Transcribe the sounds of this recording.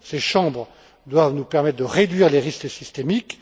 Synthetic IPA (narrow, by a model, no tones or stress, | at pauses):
seʃɑ̃bʁə | d̪wavnupɛʁmɛt̪χd̪əʁed̪ɥiʁleʁisksist̪emik